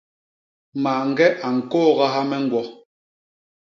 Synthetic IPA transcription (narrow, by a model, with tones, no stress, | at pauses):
maː˨ŋ̩˦˨ɡɛ˦ʔa˨ŋ̩˨kɔː˦˨ɣa˦ɦa˦mɛ˦ŋ̩˦ɡwɔ˦